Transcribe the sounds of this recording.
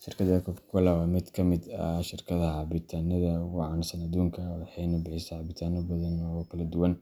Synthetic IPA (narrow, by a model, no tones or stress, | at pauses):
ʃɪrkʰɐðɐkʰɔfkʰʊlɐwamɪd̪kʰɐmɪd̪ɐʃɪrkʰɐðɐɦɑbɪt̪ʰaːnɐðɐwʊʕɑnsɐnɐd̪uːŋkʰɐwɑħɑjnʊbɪħɪsɛʕɑbɪt̪ʰaːnɔbɐðɐnɔːɣɔkʰɐlɐd̪ʊwɐn